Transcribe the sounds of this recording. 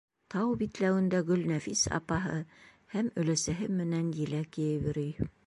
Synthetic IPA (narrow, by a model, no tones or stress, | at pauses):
t̪ʰɑwbit̪læwɘ̆nd̪æɡɵ̆lnæfisɑ̰pɑɦɤ | hæmɵ̆læsæɦɘmɘ̆nænjɘ̆lækijɘβɘ̆ɾyj